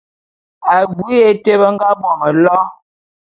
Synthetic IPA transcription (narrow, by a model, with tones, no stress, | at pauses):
a˨ɡu˨˦e˨te˦bə˦ŋ̩˦ɡa˦bwɔ˨mə˨lɔ˦